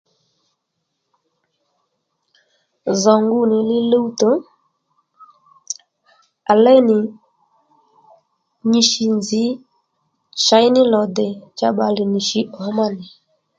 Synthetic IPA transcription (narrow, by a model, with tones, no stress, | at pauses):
zɔ˨ŋɡu˦nɪ˨lɪ˦le˦u˦to˨˦ | a˨lɛ˦nɪ˨ | ɲi˨ʃi˨nzi˨˦ | ʃa˨˦jnɪ˦lɔ˨dɛ˨t͡ʃa˦ɓa˨li˨ni˨ʃi˦ʔɔ˨˦ma˦nɪ˨